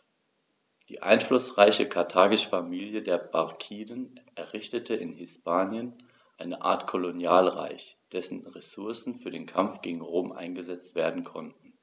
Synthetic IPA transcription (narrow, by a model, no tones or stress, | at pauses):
d̥ḭːʔa̰ɪnflʊsʁ̥aɪçəkʰaɐtʰaːɡɪʃfamiːljədeːɐbaʁkʰiːdənʔɛɐʁɪçtətʰəɪnhɪspʰaːnjən | ʔaɪnəʔa̰ːɐtkʰolonjaːlʁa̰ɪçd̥ɛsn̩ʁesʊɐsn̩fyːɐdeːnkʰamfɡ̥eːɡŋ̩ʁoːmʔa̰ɪnɡəzɛt͡stv̥eːɐdn̩kʰɔntn̩